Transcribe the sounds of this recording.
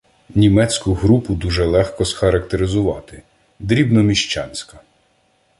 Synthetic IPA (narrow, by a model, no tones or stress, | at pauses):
nʲimɛt͡sʲkʊɦɾupʊd̪uʒɛlˠɛxkɔsxɐɾɐkt̪eɾɪzʊʋɑt̪ɪ | d̪ɾʲibnɔmʲiʃt͡ʃɑ̰nʲsʲkɐ